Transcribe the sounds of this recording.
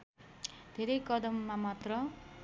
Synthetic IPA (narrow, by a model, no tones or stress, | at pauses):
d̪̥ʱeɾʌjkʌd̪ʌmːamat̪rʌ